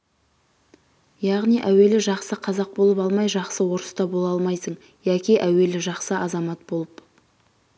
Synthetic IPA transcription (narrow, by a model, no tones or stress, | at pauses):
jɑʁnijʔæwe̞lɪʒɑqsəqʰɑzɑq̚bo̞lˠəpɑlˠmɑjʒɑqsəwo̞ɾəst̪ɑbolˠɑlˠmɑjsəɴ | jækʲiʔæwe̞lɪʒɑqsəʔɑzɑmɑt̪̚bo̞lˠəp